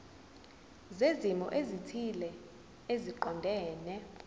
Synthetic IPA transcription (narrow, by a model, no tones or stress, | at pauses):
zezimɔ̰ʔezitʰilɛ | eziǃɔndʱɛːnɛ